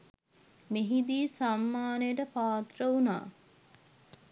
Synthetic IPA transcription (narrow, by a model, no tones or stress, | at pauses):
meɦid̪iːsamːaːnejəʈəpaːt̪rəuna̰ː